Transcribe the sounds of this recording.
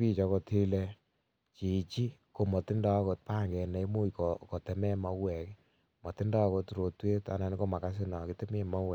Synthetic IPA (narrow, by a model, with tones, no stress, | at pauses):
pi˦t͡ʃɔ˧kɔ˧ti˦le˦ | t͡ʃi˨t͡ʃi˦ | ko˨mɔ˨ti˦ndɔ˦ko˧t̚pa˦ŋɡɛ˨nɛ˨˦mu˦jko˨kɔ˨te˨mɛ˦ma˦wɛ˨k | mɔ˨tɪ˦nda˦ko˧tɾo˨twe˦ta̰˨na˨n˦ko˦ma˨ka˦s̬ɪ˦nɔ˨ki˨te˦me˦ma˦wɛ˨